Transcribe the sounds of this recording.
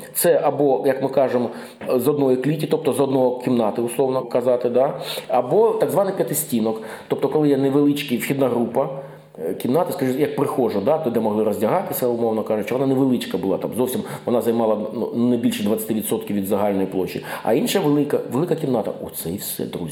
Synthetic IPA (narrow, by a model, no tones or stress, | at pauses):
t̪sɛʔɐbɔjɐkmɪkɑʒemɔ | zɔd̪nɔjiklʲitʲit̪ɔp̚t̪ɔzɔd̪̚nɔɦɔkʲimnɑt̪ɪʊslˠɔʋnɔkɐzɑt̪ɪd̪ɑɐbɔt̪ɑɡzʋɑnɪpʲjɐt̪ɪsʲtʲinɔkt̪ɔp̚t̪ɔkɔlˠɪjɛnɛʋelˠɪt͡ʃkɪjwxʲid̪naɦɾupɐ | kʲimnɑt̪ɐskɐʐɪjɐk̚pɾɪxɔʒɐd̪at̪ɔd̪ɛmɔɦlˠɪɾɔzʲdʲɐɦɑt̪ɪsʲɐʊmɔwnɔkɑʒʊt͡ʃɔʋɔnanɛʋelˠɪt͡ʃkɐbʊlˠɑ̰t̪ɑ̰mzɔwsʲimʋɔnɑzɐjmɑlˠɐnṵnɐbʲilʲʃɛd̪ʋɐt̪t͡sʲːɐt̪ɪʋʲid̪sɔt̪kʲiwʋʲid̪zɐɦɑlʲnɔjiplˠɔt͡ʃːḭɐ̰inʃɐʋelˠɪkɐʋelˠɪkɐkʲimnɑt̪ɐ̰ɔt̪sɛjwsɛ̰d̪ɾṵzʲ